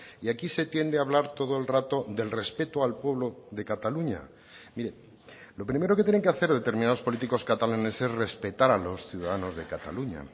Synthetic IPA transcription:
iakise̞t̪je̞nd̪eaβlaɾt̪o̞ð̞oe̞lrat̪o̞ðe̞lre̞spe̞t̪oalpwe̞βlo̞ðe̞kat̪aluɲa̰ | miɾe | lo̞pɾime̞ɾoket̪jene̞ŋkeaθe̞ɾð̞e̞t̪e̞ɾminaðo̞spo̞lit̪iko̞skat̪alanese̞zre̞spe̞t̪aɾalo̞sθjuðaðano̞zðe̞kat̪a̰luɲa̰

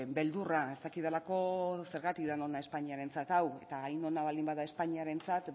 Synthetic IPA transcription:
be̞ld̪urae̞st̪akiðelako̞se̞ɾɣat̪ikðano̞nae̞spaɲiaɾe̞nt͡sat̪awe̞̰t̪aːjno̞naβ̞alimbaðae̞spaɲiaɾe̞nt͡sat̪

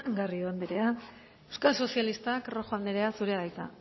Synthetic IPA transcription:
ɡarioand̪eɾea | ewskalso̞sjalist̪akro̞xoand̪eɾe̞asuɾeaðajt̪a̰

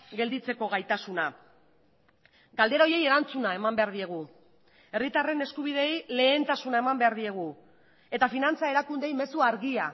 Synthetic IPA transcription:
ɡe̞ld̪it͡se̞ko̞ɣajt̪asuna | ɡald̪e̞ɾo̞je̞je̞ɾant͡sunae̞mambe̞aɾðie̞ɣ̞u | e̞rit̪are̞ne̞skuβið̞e̞jle̞ːnt̪asunae̞mambe̞aɾðie̞ɣ̞u | e̞t̪afinant͡sae̞ɾakund̪e̞jme̞suaɾɣia

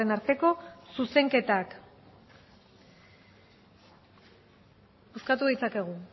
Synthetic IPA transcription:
enaɾt̪e̞ko̞suse̞ŋke̞t̪ak | uskat̪uðit͡sake̞ɣ̞u

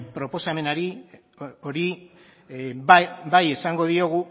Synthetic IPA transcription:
pɾo̞po̞same̞naɾi | o̞ɾi | baje̞saŋɡo̞ð̞io̞ɣ̞u

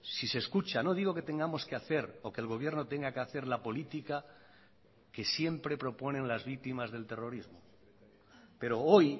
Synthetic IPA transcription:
sise̞skut͡ʃano̞ð̞iɣo̞ke̞t̪e̞ŋɡamo̞skeaθe̞ɾo̞keːlɣ̞o̞β̞je̞ɾno̞t̪e̞ŋɡakeaθe̞ɾlapo̞lit̪ika | ke̞sje̞mpɾe̞pɾo̞po̞nẽ̞nlazβik̚t̪imazðe̞lt̪e̞ro̞ɾizmo | pe̞ɾo̞oj

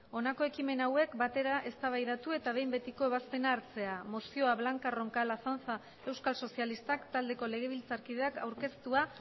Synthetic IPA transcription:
o̞nako̞e̞kime̞nawe̞kbat̪e̞ɾaʔe̞st̪aβ̞ajðat̪ue̞t̪aβ̞e̞jmbet̪iko̞e̞βaspe̞naːɾt͡se̞amo̞sio̞aβlaŋkaro̞ŋkalaθanθa | e̞wskalso̞sialist̪akt̪ald̪e̞ko̞le̞ɣ̞e̞β̞ilt͡saɾkið̞e̞akawɾke̞st̪ua

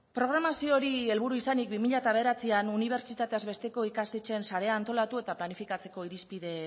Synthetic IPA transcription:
pɾo̞ɣ̞ɾamasio̞ɾie̞lβ̞uɾuisanik̚bimiʎat̪aβe̞ɾat͡sianuniβ̞e̞ɾt͡ʃit̪at̪e̞azβe̞st̪e̞ko̞ikast̪et͡ʃe̞nsaɾe̞aːnt̪o̞lat̪ue̞t̪aplanifikat͡se̞ko̞iɾispiðe̞

